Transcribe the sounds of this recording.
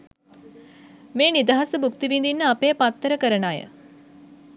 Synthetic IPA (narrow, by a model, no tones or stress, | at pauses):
meːnid̪aɦasəbukt̪iʋind̪inːəapeːpat̪ːəɾəkəɾənaːjə̰